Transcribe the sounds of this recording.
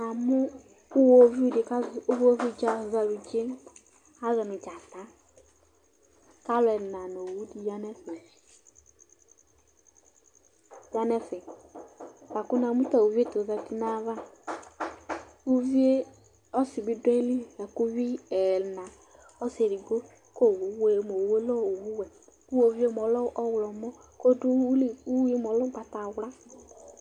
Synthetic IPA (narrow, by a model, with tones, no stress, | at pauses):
na˨mʊ˦ | u˦wo˦vi˦di˨ka˦˨u˦vo˦vi˦d͡ʒa˦˨za˨wi˨d͡ʒe˦ | a˦ɣɛ˨nʊ˨d͡ʒa˨t̪a˨˦ | ka˦lʊ˦˨ɛ˨na˨no˨wu˦di˨ja˦nɛ˦fɛ˨ | ja˦nɛ˦fɛ˨ | ba˨kʊ˦na˨mu˦ta˨u˨vi˦e˦to˨zɛ˨ti˦na˦va˦ | u˦vi˦e˦ | ɔ˦si˨bi˦dɛ˦li˦a˨ku˦vi˦ɛ˨lna˨ | ɔ˦se˨ɾi˨ɡo˦ | ko˦˨wu˨˦we˦˨˦mo˨we˦lɔ˦o˨wu˦wɛ˨ | u˦o˨vi˦e˦m˨ɔ˨˦lɔ˦ɔ˦wlɔ˨mɔ˦ | ko˦du˦lu˦ji˦m˨ɔ˨˦lɔ˦ɡ͡ba˨ta˨wla˦